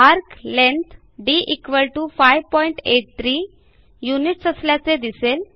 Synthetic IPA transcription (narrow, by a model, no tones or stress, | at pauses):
aɾklẽnt̪ʰ | ɖiʔikʋəlʈufajʋpɔiɳʈeʈ̚t̪ʰɾiː | juniʈsəsljat͡sed̪isel